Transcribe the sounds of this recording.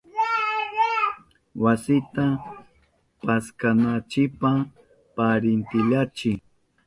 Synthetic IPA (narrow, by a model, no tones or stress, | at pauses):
wasɪt̪a | paskanat͡ʃɪpa | paɾɪnt̪ɪʎat͡ʃɪ